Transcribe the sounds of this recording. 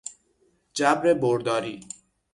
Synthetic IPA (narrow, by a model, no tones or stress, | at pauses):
d͡ʒæbɾeboɾd̪ɒːɾḭː